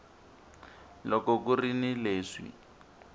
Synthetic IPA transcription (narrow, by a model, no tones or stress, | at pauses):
lɔkɔkurinileːʂḭ